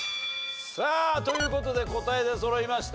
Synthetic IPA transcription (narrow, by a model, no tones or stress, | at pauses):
saːt̪o̞jɯ̟ːko̞t̪o̞d̪e̞ko̞t̪ae̞d̪e̞so̞ɾoimaɕi̥t̪